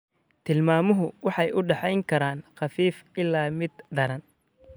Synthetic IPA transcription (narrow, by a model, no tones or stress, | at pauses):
t̪ʰɪlmaːmʊɦʊwɑħɑjʊɖɛħɛjŋkʰɐɾaːnχɑfiːfɪlːaːmɪd̪d̪ɐɾɐn